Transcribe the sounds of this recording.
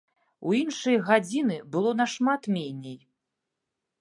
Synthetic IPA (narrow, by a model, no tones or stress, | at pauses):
uinʂɨjɣad͡zʲinɨbɨlˠɔnɐʂmat̪mʲɛnʲɛj